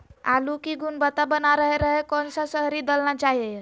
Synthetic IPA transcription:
a̰lukiɡunbət̪abənaɾəɦeɾəɦekɔnsasəɦɾid̪əlnat͡ʃaɦiej

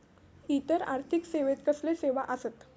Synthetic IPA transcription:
it̪əɾa̰ɾt̪ʰikseʋet̪̚kəsleseʋaʔəsət̪

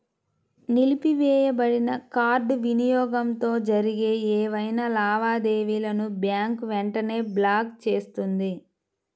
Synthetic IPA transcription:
nilipiʋɛːjɐbɐɽinɐkaːɾɖʋinijɔːɡɐmt̪o̞ːd͡ʒɐɾiɡe̞ːɛːʋɐjnɐlaːʋaːd̪eːʋiːlɐnubjaːŋkʋɛɳʈɐne̞ːblaːkt͡ʃe̞ːst̪und̪i

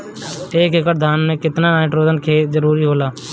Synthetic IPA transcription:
eːkekəɾd̪ʱaːnmẽkɪt̪nanaːɪʈɾoːd͡ʒənkʰeːd͡ʒəɾuːɾiɦoːlaː

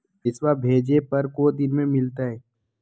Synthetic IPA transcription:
d̪ɪsʋabʱeːd͡ʒepɐɾkod̪ɪnmẽmɪlt̪aɦɛː

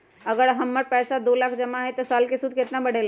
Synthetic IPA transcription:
əɡəɾɦəmːəɾpɛːsad̪oːlaːkʰd͡ʒəmaɦɛt̪ɔsaːlkesud̪ʱkɪt̪nabəɽ̤ʱel

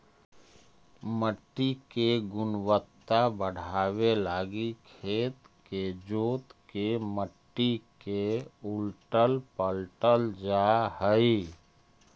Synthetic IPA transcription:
məʈːikeɡʊnwət̪ːabəɽ̤ʱaːwelaːɡikʰeːt̪ | ked͡ʒoːt̪keməʈːikeʊlʈəlpəlʈəld͡ʒahəi

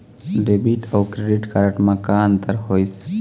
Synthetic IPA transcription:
ɖebiʈʰawkɾeɖiʈkaɾɐʈmɐkaːnt̪ɐɾhojs

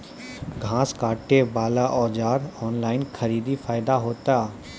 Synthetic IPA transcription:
ɡʱãːskaːʈːebaːlaʔɔːd͡ʒaːɾɔːnlaːɪnkʰəɾiːd̪ifaːɪd̪aɦoːt̪aː

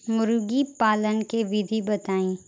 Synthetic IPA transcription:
mʊɾʊɡipaːlənkeʋɪd̪ʱibɐt̪aːĩː

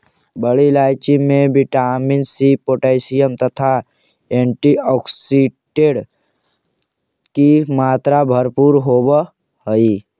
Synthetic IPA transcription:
bəɽilaːjt͡ʃimẽbɪʈaːmɪnsipoːʈaɪsijəmt̪ət̪ʰa | ẽːɳʈiɔːksiɖeɖ | kimaːt̪ɾabʱəɾpuːɾɦoːb | həi

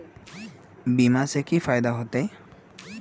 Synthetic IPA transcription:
bimasekifajd̪aɦot̪e

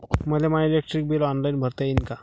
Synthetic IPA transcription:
məlemajilek̚ʈɾik̚bilɔnlainbʱəɾt̪ajinka

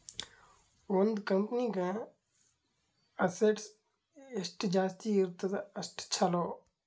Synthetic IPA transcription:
ond̪kəmpnikãː | ɐseʈs | ɪsʈd͡ʒaːst̪iɪɾt̪t̪ɐsʈt͡ʃʰɐloː

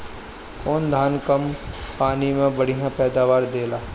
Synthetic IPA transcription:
kɔːnd̪ʱaːnkəmpaːnimẽbɐɽ̤ijãpɛːd̪aːʋaːɾd̪eːlaː

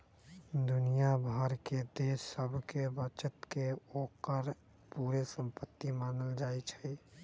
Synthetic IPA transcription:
d̪unijabʱəɾked̪esːəbʱkebət͡ʃət̪keokəɾ | puɾesəmpət̪ːimaːnəld͡ʒaet͡ʃʰə

